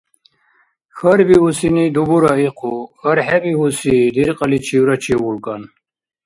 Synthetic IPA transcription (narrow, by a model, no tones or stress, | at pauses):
xəɾbiusinid̪ubuɾaiqʰuxɐɾħɛbihusid̪iɾqʼəlit͡ʃʰiwɾat͡ʃʰiwulkʼan